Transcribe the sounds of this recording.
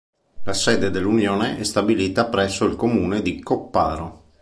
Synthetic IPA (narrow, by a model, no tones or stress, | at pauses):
lasɛːd̪ed̪elːunjoːneʔɛst̪abiliːt̪apɾɛsːoilkomuːned̪ikopːa̰ːɾo